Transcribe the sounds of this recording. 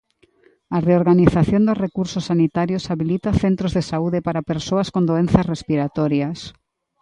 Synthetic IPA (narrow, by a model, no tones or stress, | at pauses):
areoɾɣaniθaθjond̪ʊsrekuɾsosːanit̪aɾjosaβilit̪aθent̪ɾozðesauðepaɾapeɾsoaskond̪oenθasrespiɾat̪ɔɾjas